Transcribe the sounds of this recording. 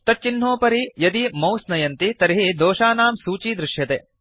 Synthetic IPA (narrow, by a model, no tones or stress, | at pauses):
t̪ɐt̚t͡ʃinɦoːpɐɾijɐd̪imɐwsnɐjɐnt̪it̪ɐɾiɦid̪oːʃaːnaːmsuːt͡ʃiːd̪ɾɪʃjɐt̪ḛː